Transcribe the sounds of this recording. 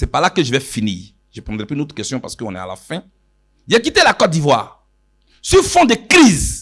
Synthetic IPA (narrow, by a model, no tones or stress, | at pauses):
sɛpalakəʒəvɛfiniː | ʒ̥əpɔ̃d̪ʁɛpynot̪kʲɛst̪jɔ̃pa̰ʁsə̥køɔ̃nɛa̰la̰fɛ̃ | iʒɛk̬it̪elakɔt̪̚d̪ivwa̰ːʁ | syfɔ̃d̪ekʁiz